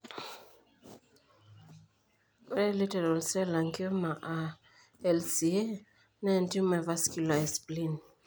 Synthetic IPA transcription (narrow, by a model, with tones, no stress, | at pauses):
ɛ˦li˦tɛɾa˨lsɛ˦la˨ŋkio˦ma˨ʔa˨ | ɛlsi˨e˦ | na˦nti˦ma˨va˦skula˨ɛsplin